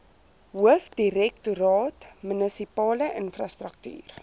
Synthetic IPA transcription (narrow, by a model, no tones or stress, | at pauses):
ɦuəfdiɾɛktuɾɑːtmənəsipɑːləʔənfrɑstrək̚ty̰ːr